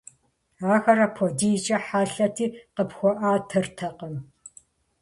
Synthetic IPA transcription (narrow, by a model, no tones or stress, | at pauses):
aːxɐɾɐpʰodiːt͡ʃʼɐħaːɬɐtʰiːqəpxʷɔʔaːtʰɨrtʰɐqəm